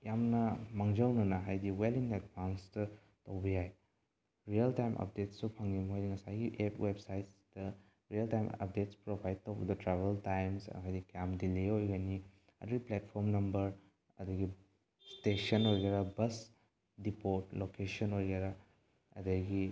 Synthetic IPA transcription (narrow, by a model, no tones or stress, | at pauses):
jamnɐmɐŋd͡ʒɐwnɐnɐɦajdiweliŋedbanstɐ | tɐwbijaj | ɾiɐltajmʔɐ̰p̚detsupʰɐŋɡimuɦajdiŋɐsajɡiʔepwebsajtsdɐ | ɾiɐltajmɐ̰p̚detspɾobʱajd̚towbɐdɐtɾaβeltajmsɐ̰ajdikɐjamdileojɡani | ɐ̰dɐɡiplet̚pʰoɾmnɐmbɐɾ | ɐdɐɡi | stesɐnojɡeɾɐbɐs | dipoɾtlokesɐnojɡeɾa | ɐ̰dɐɡi